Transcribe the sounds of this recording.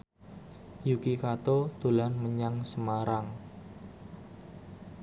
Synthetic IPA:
jukikat̪ot̪ulanməɲaŋsəmaɾaŋ

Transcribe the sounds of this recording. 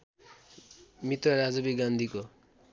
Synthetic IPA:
mit̪rʌɾad͡zʌbiɡand̪ʱiko

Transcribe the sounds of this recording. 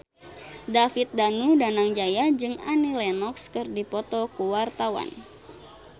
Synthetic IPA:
dafit̪̚danudanaŋd͡ʒajad͡ʒɨŋanilɛnɔkskɨrdipɔt̪ɔkuwart̪awa̰n

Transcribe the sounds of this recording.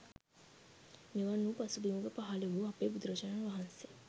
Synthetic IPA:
miʋɐnːũpɐsubimuɡəpaɦaleʋuɐpeːbud̪ɾɐt͡ʃɐnanʋaɦɐnse

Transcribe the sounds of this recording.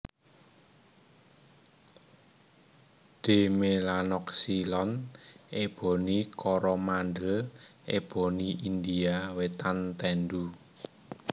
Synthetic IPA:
d̪̥e̤melanɔksilɔneb̥ɔ̤nikʰɔɾɔmanɖəleb̥o̤niʔind̪iawet̪ant̪ɛnɖ̪u

